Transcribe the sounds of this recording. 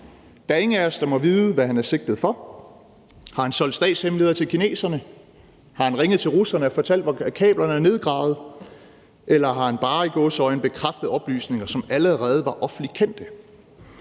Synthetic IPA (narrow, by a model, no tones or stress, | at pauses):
d̥æe̝ŋəæɐsd̥ɑ̈mɒ̽ʋiːð̩ˠəʋæɦænæɐse̝ɡ̥̚d̥ð̩ˠfɒ̽ | hɑ̈hænsɒ̽ld̥sd̥ɛ̰ːd̥shemle̝ːðˠɐt͡sʰe̝lkʰine̝̰ːsɐnə | hɑ̈hænʁeŋəð̞̩ˠt͡sʰe̝lʁusɐnəɒfɒ̽t͡sʰæl̰d̥ʋɑkʰɛ̰ːb̥lɐnəæɐne̝ð̞ˠɡ̥ʁɑ̰̈ːʊð̞̩ˠ | elɐɦɑ̈hænb̥ɑ̈ːiɡ̥ɔːsɒɪn̩b̥e̝kʰʁafd̥ð̩ˠɒ̽b̥ly̰ːsne̝ŋɐsɒ̽mæləʁɛːð̞̩ˠʋɑ̈ʔɒ̽fn̩l̥ikʰen̰d̥ə